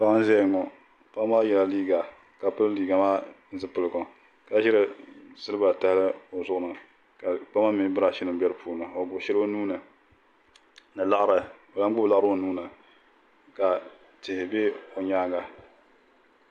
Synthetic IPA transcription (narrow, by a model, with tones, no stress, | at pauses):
pa˦ŋ˦n˦zɛ˦˨ŋɔ˨ | pa˦maː˦jɛ˨la˦liː˦ɡa˨ | ka˨pɨ˦lliː˨ɡa˨maː˦n˦zɨ˦pɨ˨lɨ˨ɡo˨ | ka˨ʃɪ˦ɾɨ˨zɨ˦lɨ˦ba˨ta˦hɪ˦lɨ˦o˨zʊ˦ʔʊ˨nɨ˨ | ka˨k͡pa˦ma˦mi˦bɨ˦ɾa˨ʃɪ˦nɨ˨mbɛ˦ɾɨ˦pʰuː˨nɨ˨o˨ɡʊ˨ʃɪ˦ɾo˦nuː˦nɨ˨ | nɨ˨la˦ʔɾɨ˨o˨la˦ŋ˦ɡ͡bʊ˦bla˦ʔɾo˦˨nuː˦nɨ˨ | ka˨ | tɪ˨hɪ˨be˦o˨ɲaː˦ɡa˨